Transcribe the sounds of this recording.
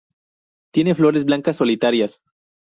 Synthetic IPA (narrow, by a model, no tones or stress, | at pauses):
t̪je̞neflo̞ɾezblaŋkasːo̞lit̪aɾjas